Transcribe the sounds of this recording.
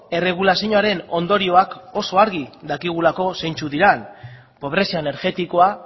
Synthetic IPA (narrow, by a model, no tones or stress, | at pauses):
e̞re̞ɣ̞ulasiɲoaɾe̞no̞nd̪o̞ɾio̞ako̞so̞aɾɣid̪akiɣ̞ulako̞se̞jnt͡suðiɾan | po̞β̞ɾe̞siaene̞ɾɣe̞t̪iko̞a